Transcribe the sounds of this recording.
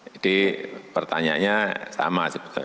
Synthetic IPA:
ad̥ipərt̪aɲa̰ɲasa̰masipu̥t̪a̰

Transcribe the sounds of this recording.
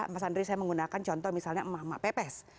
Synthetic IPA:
masandɾisajaməŋɡunakant͡ʃɔnt̪ɔhmisalɲamama̰ʔpepɛs

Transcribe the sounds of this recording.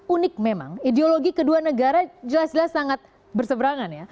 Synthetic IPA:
unɪk̚mema̰ŋideoloɡikəduanəɡaɾad͡ʒəlasd͡ʒəlasːaŋat̪̚ | bərsəbəɾaŋanja

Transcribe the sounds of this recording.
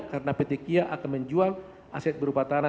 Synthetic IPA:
kaɾənapet̪ikiaʔakanməɲd͡ʒual | ʔa̰sɛt̪̚bəɾupat̪ana

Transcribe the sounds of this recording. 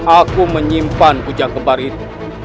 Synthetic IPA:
akuməɲimpanbud͡ʒakəbarit̪u

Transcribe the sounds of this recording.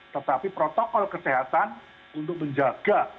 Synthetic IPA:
t̪ət̪apipɾot̪ɔkɔlkəseɦat̪an | unt̪ʊk̚məɲd͡ʒaɡ̥a

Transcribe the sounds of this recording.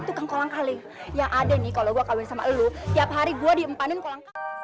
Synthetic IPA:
t̪ukankolaŋkalɪ | jaŋʔadanɪkaloɡuakawɪnsama̰ləlut̪iapɦaɾiɡuadiəmpanɪnkolaŋka

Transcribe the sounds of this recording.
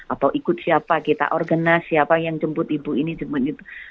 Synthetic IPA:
ʔat̪awʔikʊt̪̚siapakit̪a̰ʔɔrɡənasiapajaŋt͡ʃəmpʊt̪ibuinid͡ʒəmbʊt̪̚ɡit̪u

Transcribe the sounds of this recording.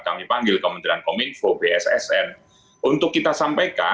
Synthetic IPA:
kamipaŋɡɪlkəmənt̪ɾankomɪnfobeɛsɛ̰sɛn | ʔunt̪ʊkːit̪asampajka

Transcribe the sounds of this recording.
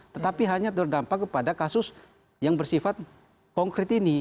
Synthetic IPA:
t̪ət̪apiɦaɲat̪ərdampakːəpadakasʊs | jaŋbərsifat̪̚ | kɔŋkɾɪt̪ini

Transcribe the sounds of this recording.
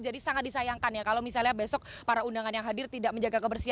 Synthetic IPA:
d͡ʒadisaŋat̪̚disajaŋkanjakalawmisalɲahbesɔk̚paɾaundaŋanjaŋɦadɪrt̪idaʔməɲd͡ʒaɡakəbərsia

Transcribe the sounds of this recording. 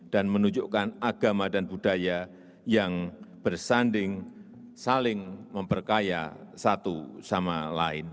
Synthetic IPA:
d̥anmənuɲd͡ʒokanaɡ̥amadanbudaja | jaŋb̥ərsandɪŋ | salɪŋməmpərkaja̰sat̪usamalaɪ̰n

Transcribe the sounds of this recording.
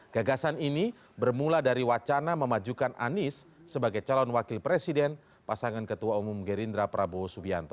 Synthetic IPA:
ɡ̥aɡasanini | bərmuladaɾiwat͡ʃanaməmad͡ʒukana̰nɪsːəbaɡajt͡ʃalɔnwakɪlpɾesidɛn | pasaŋankət̪uaumumɡəɾind̪ɾapɾʔabosubia̰nt̪ɔ

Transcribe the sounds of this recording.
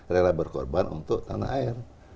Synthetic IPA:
relabərkɔ̰rbanṵnt̪ʊk̚t̪ana̰ɦaɪr

